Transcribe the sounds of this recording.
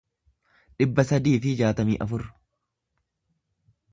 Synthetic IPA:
ᶑɪbːɐsɐd̪iːfɪd͡ʒaːt̪ɐmḭːʔɐfʊɾ

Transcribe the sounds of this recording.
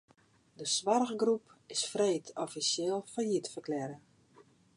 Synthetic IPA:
dəsʋarɣɡrupɪsfreːtʰɔfisjɪːlˠfajitfərklɛɾə

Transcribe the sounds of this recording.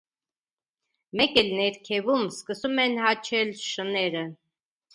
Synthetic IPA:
mɛkɛlnɛɾkʰɛvumskəsumɛnhɑt͡ʃʰɛlʃənɛɾə

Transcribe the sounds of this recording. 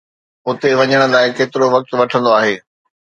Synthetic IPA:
ʊt̪eʋɐɲəɽ̃ʊ̆laːɪkeːt̪ɪɾoʋɐk̚t̪ʊʋɐʈʰə̃nd̪oaːɦeː

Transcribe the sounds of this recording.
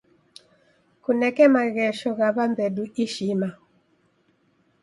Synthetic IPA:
kunɛkɛmaɣɛʃɔɣaβambɛɗuʔiʃima

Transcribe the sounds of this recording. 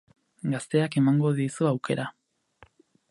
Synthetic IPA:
ɡast̪e̞ake̞maŋɡo̞ðisuawke̞ɾa

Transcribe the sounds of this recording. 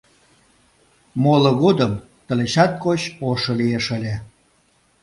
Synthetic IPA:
moloɣod̪əm | t̪ə̆leɕɑt̪̚kot͡ɕoʃŏlieʃəlʲe

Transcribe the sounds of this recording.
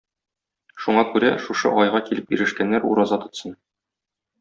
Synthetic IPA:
ʃuɴɑkʉɾæʃuʃɤ̰ʔɒjʁɑkilɘpjḭɾɘ̆ʃkænːæɾṵɾɑzɑt̪ɤ̆t̪sɤn

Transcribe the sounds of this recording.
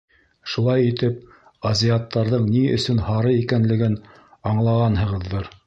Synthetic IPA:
ʃulˠɑjit̪ɘp̚ | ɐzʲiat̪ːɑɾðɤɴniɵ̰̆sɵnhɑɾɤikænlɘ̆ɡɘn | ɑɴlˠɑʁɑnɦɤ̆ʁɤ̆ðːɤɾ

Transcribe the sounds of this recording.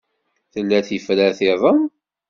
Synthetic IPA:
θəlːæθifɾæθɪðˤəm

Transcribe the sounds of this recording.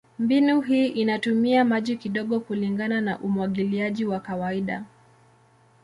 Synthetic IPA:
mbinuɦiːʔinatumiamaʄikiɗɔɠɔkuliŋɡananaʔumwaɠiliaʄiwakawaiɗa

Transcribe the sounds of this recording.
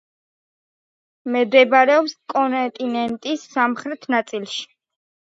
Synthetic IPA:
mɛd̪ɛbaɾɛɔpskʼɔnt̪ʼinɛnt̪ʼisːamχɾɛt̪ʰnat̪sʼilˠʃi̥

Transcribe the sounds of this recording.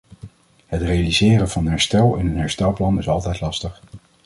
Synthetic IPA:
ɦətrejalizɪːrənv̥ɑnɦɛɹstɛlˠɪ̰nənɦɛɹstɛlˠplɑnɪsɑlˠtɛjtlɑstəχ

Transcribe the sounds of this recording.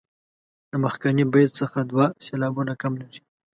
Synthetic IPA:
d̪əmaxkanibet̪səxad̪wɑselɑbunakamlaɾi

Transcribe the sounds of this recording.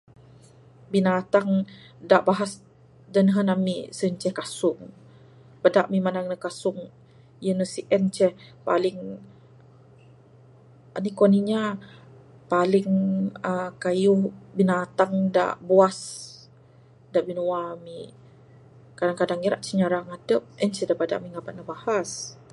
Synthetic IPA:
binat̪aŋ | daʔbaɦas | dənɦənamisənt͡ʃɛhkasʊŋ | pədaʔmimanaŋnəkasʊŋ | jənəsiʔɛnt͡ʃɛhpa̰lɪŋ | ənikoniɲa | palɪŋəkajʊhbinat̪aŋda̰ʔbuas | daʔbinuwami | kadaŋkadaŋiɾaʔt͡ʃɛɲaɾaŋadəp̚ɛnt͡ʃɛdapada̰ʔmiŋabaʔ̚nabahas

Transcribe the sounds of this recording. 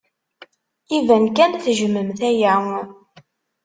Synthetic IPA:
ivænkænθʒməmθæjæŋ

